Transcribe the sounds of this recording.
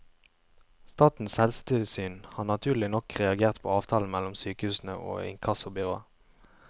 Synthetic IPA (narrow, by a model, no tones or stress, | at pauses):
st̪ɑːt̪n̩sɛlst̪ɪlsyːnhɑːnɑt̪ʰʉːʁl̩ɪnɔkʁɛɑɡeːʁt̪pʰo̰ːɑːʋt̪ʰɑːln̩mɛlɔmsyːkəhʉːsn̩ə̰ʔo̰ːɪ̰ŋkʰɑsʊbʏʁoːə